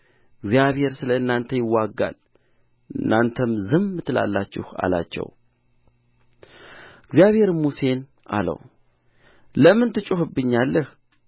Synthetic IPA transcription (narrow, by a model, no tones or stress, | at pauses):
ɨɡzijaβhe̞ɾsɨləɨnːant̪ʰəjɪwːaɡːa̰l | ɨnːant̪ʰəmzɨmːɨt̪ʰːɨla̰lːat͡ʃːɪ̰ha̰la̰t͡ʃːɛ̰w | ɨɡzjaβhe̞ɾmuse̞n | ʔa̰lə̰w | ləmɨnt̪ʰɨt͡ʃʼuhɨbːɨɲːalːəh